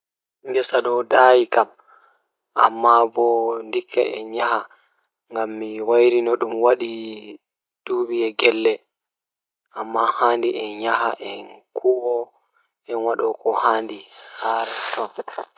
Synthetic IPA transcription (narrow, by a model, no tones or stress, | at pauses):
ŋɡɛsaɗɔwdajikam | ʔamːabɔndikʰːa̰ʔɛ̰nɲaha | ŋɡamːiwajɾinɔɗumwaɗi | d̥uːbiɛɡɛlːɛ | ʔamːahaːndiʔɛnɲaɦaʔɛnkʰuwɔ | ɛnwaɗɔkɔhaːndihaɾtɔ